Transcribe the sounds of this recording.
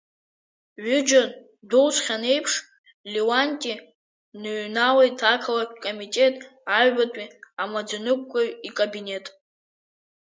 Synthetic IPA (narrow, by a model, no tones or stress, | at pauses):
ɥʏd͡ʒan | dowt͡sʷʰʼχʲane̞jpʰʂ | liwanʲtʼi | nɨɥnawejtʰakʰalakʲʷʰʼkʼomitʼe̞tʼaɥbatʼiamad͡zanɨk̚ʷʼkʷʼːaikʼabine̞tʼ